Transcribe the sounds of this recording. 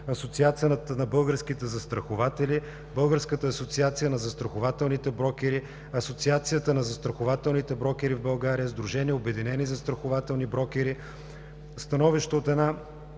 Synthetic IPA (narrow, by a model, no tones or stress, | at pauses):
ɐsot̪siat̪sijənt̪nɐbɤlˠɡəɾsk̟it̪ɛzɐst̪ɾɐxovat̪ɛli | bɤlˠɡəɾskət̪əːsot̪siat̪sijənɐzɐst̪ɾɐxovat̪ɛlˠnit̪ɛbɾɔkɛɾi | ɐsot̪siat̪sijət̪ənɐzɐst̪ɾɐxovat̪ɛlˠnit̪ɛbɾɔk̟ɛɾivbɐlˠɡaɾijəzd̪ɾuʒɛniɛobɛd̪inɛnizɐst̪ɾɐxovat̪ɛlˠnibɾɔkɛɾi | st̪ɐnɔviʃt̪oot̪ɛd̪na